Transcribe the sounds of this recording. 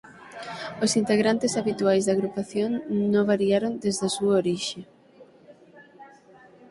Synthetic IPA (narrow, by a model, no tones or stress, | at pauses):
osint̪eɣɾant̪ɪsaβit̪uajzðaɣɾupaθjoŋnõβaɾjaɾond̪ezðasuaoɾiʃe